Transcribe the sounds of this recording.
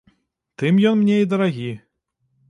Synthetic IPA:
t̪ɨmjɔnmnʲeid̪ɐɾaɣʲi

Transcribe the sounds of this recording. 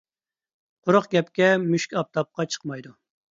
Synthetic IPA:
qʰʊɾʊqɡʲɛpkʲɛmyʃkʲɑp̚t̪ʰɑp̚qɑt͡ʃʰə̥qmɑjd̪u

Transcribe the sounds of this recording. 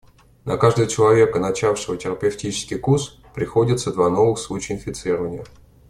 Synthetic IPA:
nʔɐkaʐd̪əət͡ɕɪlˠɐvʲe̞kənɐt͡ɕafʂɨvətʲɪɾəpʲɪftʲit͡ɕɪ̥skʲɪjkus | pɾʲɪxo̞dʲɪt̪səd̪vano̞vɨxslˠut͡ɕɪjɪnfʲɪt̪sɨɾəvənʲɪjə

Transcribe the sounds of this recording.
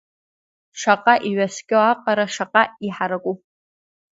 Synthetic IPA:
ʂaqʼaʔiɥaskʲʼoaqʼaɾaʂaqʼaiħaɾakʷʼu

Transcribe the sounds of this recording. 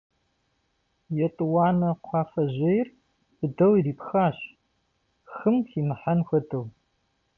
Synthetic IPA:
jɛtʼɨwɑːnɐqʷʰɑːfɐʑɐjr | b̥ɨdɐwiriːpxaːɕ | xɨmxiːmɨħanxʷɐdɐw

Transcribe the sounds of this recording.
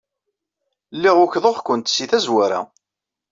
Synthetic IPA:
lːiʁʊçðˤoχkʷənt̪siθæzwæɾa̰

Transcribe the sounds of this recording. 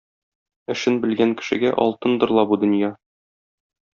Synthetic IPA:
ɘ̆ʃɘnbɘ̆lɡæŋkɘ̥̆ʃɘ̆ɡæʔɒ̰lˠt̪ɤnd̪ɤ̆ɾlˠɑbud̪ɤ̆njɑ

